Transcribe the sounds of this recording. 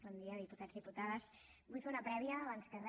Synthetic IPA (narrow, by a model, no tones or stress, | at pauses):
ɔnd̪iaðiput̪ad͡zðiput̪aðəs | bujfeunɐpɾɛβiəːβanskən